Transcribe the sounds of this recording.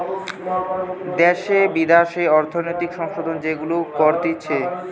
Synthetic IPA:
d̪ɛʃebid̪aʃeɔɾt̪ʰonojt̪ikʃɔŋʃod̪ond͡ʑeɡulokɔɾd̪itːɕʰe

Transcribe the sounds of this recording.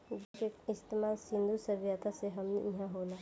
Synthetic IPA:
keɪst̪emaːlsɪ̃nd̪usəbijat̪ʰaseɦɐmnḛiɦãɦoːlaː

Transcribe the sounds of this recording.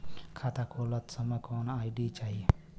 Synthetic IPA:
kʰat̪akʰolət̪səmakʰɔnaːjɖit͡ʃai

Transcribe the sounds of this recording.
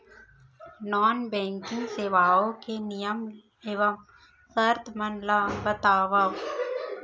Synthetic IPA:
nɔːnbɛ̃ːŋkɪ̃ŋɡseːʋaːokenijəm | eːʋɐm | sɐɾt̪mɐnlaːbɐt̪aːʋaʋ

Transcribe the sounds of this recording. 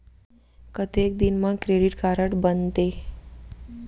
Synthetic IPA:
kət̪ek̚d̪inmãkɾeɽiʈkaɾəʈbənt̪e

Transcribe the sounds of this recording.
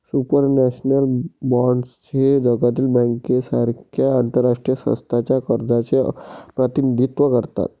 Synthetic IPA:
supəɾnɛɕnəlbaɳɖst͡ɕed͡ʑəɡat̪̬iːlbɛ̃ŋkesaɾkʰjaːnt̪əɾːaʂʈɾijəsə̰̃st̪ʰat͡ɕjakəɾd̪at͡sepɾət̪inid̪ʱit̪ʋəkəɾt̪a̰t̪

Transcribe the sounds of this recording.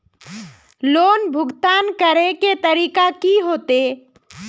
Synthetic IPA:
loːnbʱʊɡt̪aːnkəɾeket̪əɾiːkakiɦoːt̪e

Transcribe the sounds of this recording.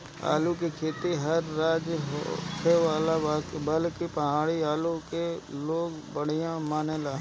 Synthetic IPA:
a̰ːluk̬ikʰeːt̪iɦəɾːaːd͡ʒɦo̰kʰeʋaːlaaːkbəlkipəɦaːɽiaːlukeloːɡ | bəɽ̤ijãmaːneːlaː

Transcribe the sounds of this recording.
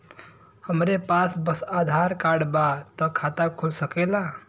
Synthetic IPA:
həmɾepasbəsad̪ʱaɾkaɽbat̪ɔkʰat̪akʰulsəkela

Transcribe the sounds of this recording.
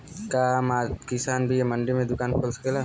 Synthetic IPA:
kaːmaːkɪsaːnbʱiemɐɳɖimẽd̪ʊkaːnkʰoːlsə̥kelaː

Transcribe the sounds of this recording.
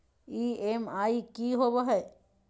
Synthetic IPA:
iːemaikiɦoboɦɛ

